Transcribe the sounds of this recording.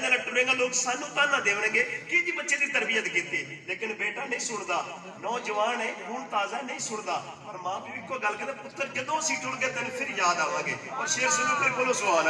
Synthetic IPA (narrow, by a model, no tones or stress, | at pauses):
ɡaːləʈːbẽːŋɡãːloːksaːnːũːt̪ãːnãːd̪eːʋnẽːɡeːkɪd͡ʒiːbətːʃẽːd̪iːt̪əɾbɪjət̪kiːt̪eːleːkɪnbeːʈaːnəĩːsʊɳd̪aː | nɔ̃ːd͡ʒəʋaːnɛ̃ːkuːɳt̪aːzaːnəĩːsʊɳd̪aː | pəɾmãːbiːɪkːoːɡəlkət̪aːpʊt̪ːəɾd͡ʒɪd̪õːsiːʈʊɽɡeːt̪eñːpʰɪɾjaːd̪aːʋãːɡeːpəɾseːsʊnũːpoipolõːsʊbaːnː